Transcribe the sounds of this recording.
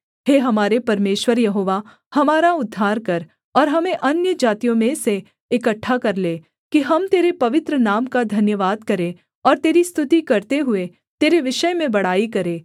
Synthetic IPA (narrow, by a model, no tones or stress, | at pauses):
ɦeːɦɐmaːɾepɐɾmeːʃʋəɾjɐɦoːʋa | hɐmaːɾaʊd̪ʱːaːɾkɐɾ | ɔːɾɦɐmẽʔɐnjəd͡ʒaːt̪ijõmẽse | ɪkəʈʰːakɐɾleː | kiɦɐmt̪eːɾepɐʋɪt̪ɾənaːmkad̪ʱɐnjəʋaːd̪kɐɾẽ | ɔːɾt̪eːɾist̪ʰʊt̪ikɐɾt̪eɦʊe | t̪eːɾeʋɪʃəjmẽbɐɽ̤aːikɐɾẽː